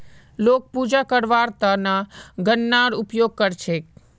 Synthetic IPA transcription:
lok̚pud͡ʒakəɾʋaɾt̪anaɡənːaɾupjoɡ̚kəɾt͡ʃʰe

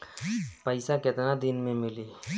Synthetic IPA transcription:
pəɪsaket̪nad̪ɪnmẽmɪli

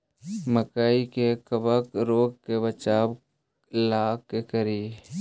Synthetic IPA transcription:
məkaːikekəbəkɾoːɡkebət͡ʃaːb | laːkekəɾiː

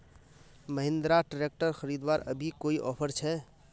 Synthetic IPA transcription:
məɦɪ̃nd̪ɾaʈəɾek̚ʈəɾxʰəɾid̪waɾəbʱikoiʔɔpʰəɾt͡ʃʰɛ

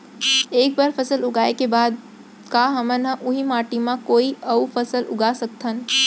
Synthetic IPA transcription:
eːk̚baɾpʰəsəlʊɡaːekebaːd̪̚ | kaɦəmənəʔʊɦimaːʈimãkoːiəfʰəsəlʔʊ̰ɡasək̚t̪ʰən

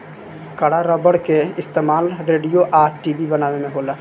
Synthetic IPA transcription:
kɐɽaɾɐbəɽkeɪst̪eːmaːlɾeːɖijoʔaːʈʈiːbibɐnaːʋemẽɦoːlaː

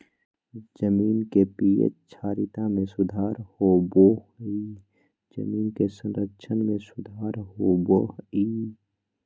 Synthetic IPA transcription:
d͡ʒəmiːnkepiːjə̰t͡ʃʰaːɾɪt̪amẽsʊd̪ʱaːɾhoboɦi | d͡ʒə̰miːnkesə̃nɾəkt͡ʃʰənmẽsʊd̪ʱaːɾɦoboiː

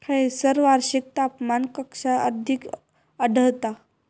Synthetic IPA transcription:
kʰəesəɾʋaɾɕik̚t̪apmankəkʂaʔə̰d̪ʱik | əɖəwt̪a

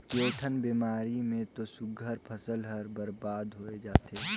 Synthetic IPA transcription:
koːʈʰənbiːmaːɾimẽt̪osʊɡʱəɾpʰəsəlɦəɾbəɾbaːd̪ɦoːed͡ʒaːt̪e

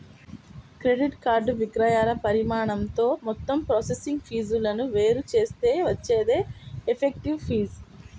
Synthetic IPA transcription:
kɾe̞ɖiʈkaːɾɖʋiɡɾɐjaːlɐpɐɾimaːɳɐmt̪o̞ːmɔt̪ːɐmpɾoːsesiŋɡpʰiːd͡ʒulɐnuʋe̞ːɾut͡ʃe̞ːst̪e̞ːʋɐt͡ʃːeːd̪e̞ːepʰek̚ʈiʋpʰiːz

